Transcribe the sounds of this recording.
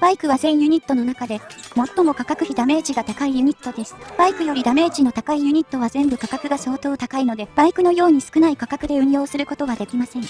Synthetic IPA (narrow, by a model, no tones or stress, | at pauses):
b̥aikɯ̟βazẽ̞ɰ̃jɯ̟ɲ̟it̪ːo̞no̞nakad̪e̞mo̞t̪ːo̞mo̞kakakɯ̟çid̪ame̞ːʑiɡat̪akaijɯ̟ɲ̟it̪ːo̞d̪e̞sɨ̥b̥aikɯ̟jo̞ɾʲid̪ame̞ːʑino̞t̪akaijɯ̟ɲ̟it̪ːo̞β̞azẽ̞mbɯ̟kakakɯ̟ɡaso̞ːt̪o̞ːt̪akaino̞d̪e̞b̥aikɯno̞jo̞ːɲ̟isɨ̥kɯ̟naikakakɯ̟d̪e̞ɯ̟̃ɰjo̞ːsɨɾɯ̟ko̞t̪o̞βad̪e̞kʲimasẽ̞ŋ